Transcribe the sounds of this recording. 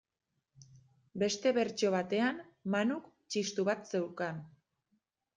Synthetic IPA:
be̞st̪e̞βe̞ɾt͡ʃo̞β̞at̪e̞an | manuk | t͡ʃist̪uβat̪se̞wkan

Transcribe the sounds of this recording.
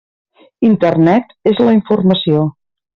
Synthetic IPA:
int̪ərnɛt̪ezləiɱfurməsio

